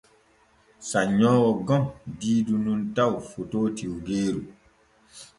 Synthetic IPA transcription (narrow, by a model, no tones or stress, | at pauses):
saɲɔ̃wɔɡɔ̃mdiːdunũntawfototʰiwɡeːɾu